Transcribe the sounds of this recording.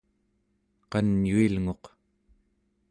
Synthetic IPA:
qɑnjuilŋo̞q

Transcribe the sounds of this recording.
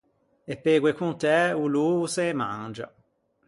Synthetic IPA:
epːeːɡwekunt̪ɛuluːsemːa̰nd͡ʒa̰

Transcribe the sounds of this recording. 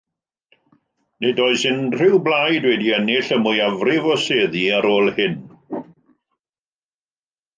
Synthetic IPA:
nɪdɔːɨsɪnr̥ɪwblajdwɛdiɛnɪɬəmujavrɪvɔseːðiaɾoːlˠhɪn

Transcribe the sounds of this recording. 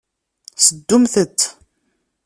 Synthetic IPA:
səd̪ːʊmθət̪ː

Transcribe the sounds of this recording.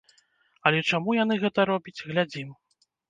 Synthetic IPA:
ɐlʲɛt͡ʂamujanɨɣɛt̪ɐɾɔbʲit͡sʲɣlʲad͡zʲim

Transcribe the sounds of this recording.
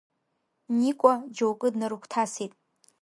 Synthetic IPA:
niːkʷʼɔd͡ʒowkʼɨdnɐɾukʷʰtʰaːsiːtʼ

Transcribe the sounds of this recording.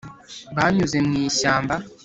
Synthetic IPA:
βaɲuze̞mŋiːʃaːmba

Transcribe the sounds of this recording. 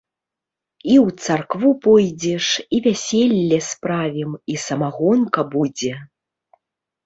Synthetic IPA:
iwt̪sarkvupɔjd͡zʲɛʂivʲasʲelʲːɛspɾavʲɛmisɐmaɣɔnkɐbud͡zʲɛ

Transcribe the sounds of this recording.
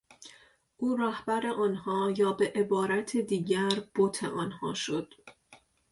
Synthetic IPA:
ʔuːɾæhbæɾe̞ʔɒːnhɒːjɒːbe̞ʔebɒːɾæt̪ʰed̪iːɟæɾb̥ot̪ʰe̞̰ʔɒːnhɒːʃo̞d̪̥

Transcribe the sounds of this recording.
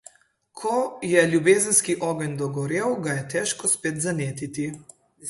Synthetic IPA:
kʰɔjɛljubeːzənskiʔɔːɡənʲd̪ɔɡɔɾeːwɡajɛt̪ɛʃkɔspeːt̪zaneːt̪it̪i

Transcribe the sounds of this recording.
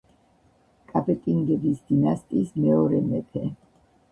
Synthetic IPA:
kʼapʼɛt̪ʼiŋɡɛbisd̪̥inast̪ʼiːsmɛɔɾɛmɛpʰɛ

